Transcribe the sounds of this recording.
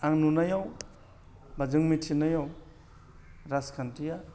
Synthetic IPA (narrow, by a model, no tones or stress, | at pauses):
aŋnunajaw | bad͡ʒɯŋmitʰinajaw | ɾaskʰantija